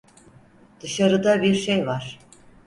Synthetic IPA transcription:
d̪̥ɯʃaɾɯd̪abiɾʃejvaɾ̥

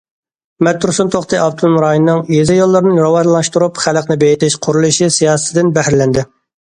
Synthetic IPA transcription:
mɛt̪ːuɾsunt̪ʰoχt̪ɨʔɑb̚t̪ʰulˠmɾɑjinːɨŋjezɪjolˠːɨɾnɨɾɑwɑʒlˠɑʃt̪uɾupχæləqnɪbejɪt̪ɪʃqʰʊɾulˠuʃisijɑːsɨt̪ʰɪd̪ɪnbɛhɾlɛnd̪ɪ

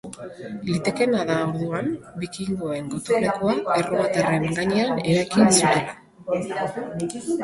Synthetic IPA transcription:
lit̪e̞ke̞naðawðuambikiŋɡo̞e̞ŋɡot̪unekoaeroβat̪are̞ŋɡaɲe̞ane̞ɾajkint͡suela

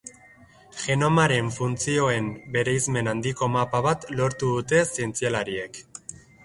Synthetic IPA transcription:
ʝe̞no̞maɾe̞ɱfunt͡sio̞e̞mbe̞ɾejzme̞nand̪iko̞mapaβat̪lo̞ɾt̪uðut̪e̞sie̞nt͡sialaɾie̞k

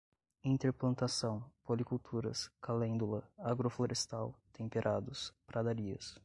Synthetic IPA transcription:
ĩnt̪eɾplɐ̃nt̪asɐ̃w̃polikuwt̪ʰuɾɐ̰skalẽnd̪ulɐaɡɾofloɾʔest̪awt̪ẽpeɾʔad̪ʊspɾad̪aɾiɐ̰s

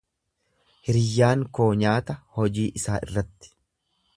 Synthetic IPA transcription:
hɪɾɪjːaːŋko̞ːɲaːt̪ɐhɔd͡ʒiːʔɪsaːʔɪ̰rːɐt̪ːɪ̥

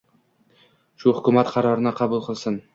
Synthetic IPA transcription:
ʃʊhʊkʰʲʊmat̪qʰɑɾɒɾɪnɪqʰɑbʊlˠqʰɨlˠsɪn

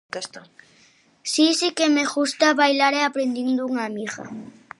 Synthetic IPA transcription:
sisikemeɣust̪aβajlaɾeapɾend̪ind̪ʊuŋamiɣa̰

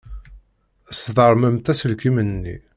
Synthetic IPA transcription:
sðˤəɾˤməmt̪æsəlkimənnːḭ

